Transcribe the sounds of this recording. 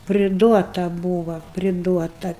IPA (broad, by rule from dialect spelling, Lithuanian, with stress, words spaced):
pʲrʲɪˈduɔtɐ ˈbuːʋɐ pʲrʲɪˈduɔtɐ